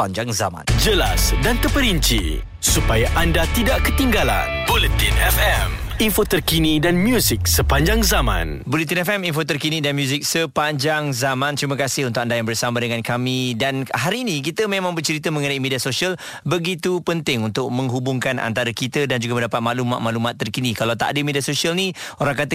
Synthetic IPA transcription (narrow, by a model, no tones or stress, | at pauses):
aɲd͡ʒaŋzamã̰nd͡ʒəla̰sdant̪əpəɾiɲt͡ʃḭ | supajaʔandat̪idaʔkət̪iŋɡala̰nbolit̪inɛfɛminfot̪ərkinidanmjuzik̚səpaɲd͡ʒaŋzamã̰n | bolit̪inɛfɛminfot̪ərkinĩdanmjuzɪk̚səpaɲd͡ʒaŋzamãnt̪ɾiməkasɪhunt̪ʊk̚andajaŋbərsamadəŋankamidanhaɾiːnĩk̬it̪əmemãŋbərt͡ʃəɾit̪əmə̃ŋənaimediasosial | bəɡit̪upənt̪ɪŋunt̪ʊk̚mə̃ŋɦubʊŋkana̰nt̪aɾakit̪ədand͡ʒuɡaməndapat̪̚maʔlumat̪maʔlumat̪ːərkinikalawt̪a̰ʔdəmediasosialnioɾaŋkat̪ə